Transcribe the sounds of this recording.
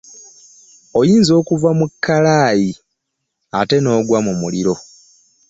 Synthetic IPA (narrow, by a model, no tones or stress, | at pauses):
o̞jiːnzo̞ːkuvamukʰːalaːji | ate̞no̞ːɡwamumuliɾo̞